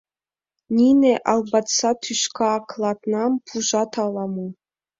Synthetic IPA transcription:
nʲineʔɑlˠbɑt̪sɑt̪ʰyʃkʰɑːklˠɑt̪nɑmpʰuʒɑt̪ʰɑlˠɑmu

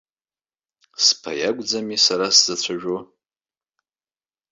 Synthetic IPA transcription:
spʰa̰jaɡʷʼd͡zamisaɾaszat͡ɕʷʰaʒʷᶣo

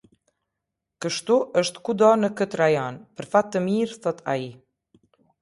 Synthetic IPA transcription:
kəʃt̪uʔəʃt̪kud̪ɔnəkət̪ɾajɔnpəɾfat̪ːəmiɾθɔt̪ʰa̰i

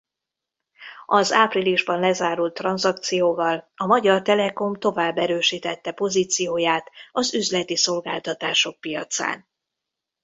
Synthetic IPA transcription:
ɒzaːpriliʒbɒnlɛzaːɾult̪ːrɒnzɒk̚t̪sijoːvɒlɒmɒɟɒrt̪ɛlɛko̞mt̪o̞vaːbːɛɾøːʃiːt̪ɛt̪ːɛpo̞ziːt̪sijoːjaːt̪ɒzyzlɛt̪iso̞lɡaːlt̪ɒt̪aːʃo̞k̚pijɒt̪sa̰ːn

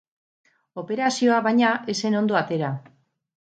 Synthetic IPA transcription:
o̞pe̞ɾasio̞aβajɲaese̞no̞nd̪o̞at̪e̞ɾa

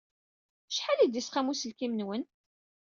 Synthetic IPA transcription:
ʃħalid̪isqæmusəlkimənwən

